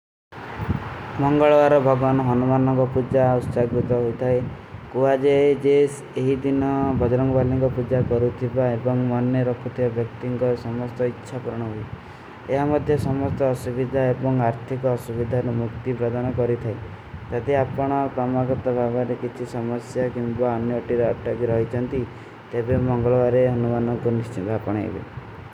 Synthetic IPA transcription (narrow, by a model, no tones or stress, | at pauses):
mɔŋɡɔɭɔaɾɔbʱɔɡanɔɦɔnumanɔŋkɔpud͡ʒaust͡ʃaɡɾut̪ɔɦojt̪ʰae | kuad͡ʒed͡ʒes | eɦid̪inɔbʱɔd͡ʒɾɔŋɡɔbaliŋkɔpud͡ʒakɔɾut̪ʰibaebɔŋmɔnjɔɾɔkʰut̪ʰiɔbʱjɔk̚t̪iŋkɔɾsɔmɔst̪ɔitːʃʰapɔɾɔɽ̃ɔɦui | eɦamɔd̪ʱjɔsɔmɔst̪ɔːsubid̪ʱaebɔŋaɾt̪ʰikɔːsubid̪ʱaɾumukt̪ipɾɔd̪anɔkɔɾit̪ʰae | t̪ad̪iapɔɽ̃ɔpɾɔmaɡɔt̪ɔbʱabɔɾekit͡ʃʰisɔmɔsjakimbaɔnjɔoʈiɾɔaʈːɔbiɾɔɦit͡ʃʰɔnt̪i | t̪ebemɔŋɡɔɭɔbaɾeɦɔnumanɔŋkunist͡ʃit̪apɔɽ̃ɔḛbḛ